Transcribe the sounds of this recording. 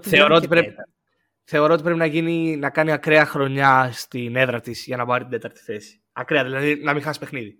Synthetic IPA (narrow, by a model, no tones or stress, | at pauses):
θe̞oɾo̞ot̪ipɾe | θe̞o̞ɾo̞t̪ipɾeinɐʝininɐkɐniɐkɾeɐxɾo̞ɲɐst̪ine̞ðɾɐt̪izʝɐnɐbɐɾit̪ind̪e̞t̪ɐɾt̪i̥θe̞si̥ | ɐkɾeɐðilɐðinɐmixɐsi̥pe̞xniði